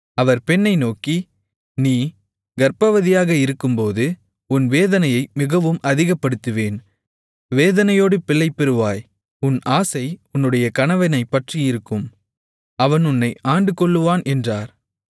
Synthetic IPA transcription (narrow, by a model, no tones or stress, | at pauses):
ɐʋɐɾpɛnːɐɪnoːki | niː | ɡɐɾpɐʋɐðɪjaːɣɐɪɾɯkːɯmpoːðɯ | ʊnʋeːðɐnɐjɐɪmɪɣɐʋɯmʔɐðɪɣɐpːɐɽɯt̪ːɯʋeːn | ʋeːðɐnɐjoːɽɯpɪɭːɐɪpːɛɾɯʋaːj | ʊnʔaːsɐɪʊnːɯɽɐjɐkɐnɐʋɐnɐɪpːɐʈrijɪɾɯkːɯm | ɐʋɐnʊnːɐɪʔaːɳɖɯkːɔɭːɯʋaːnʔɛndraːɾ